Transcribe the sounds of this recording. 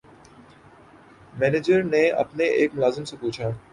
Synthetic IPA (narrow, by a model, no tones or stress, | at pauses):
mɛːneːd͡ʒəɾnẽɐ̰pneʔeːkmʊlaːzɪmsãpuːt͡ʃʰaː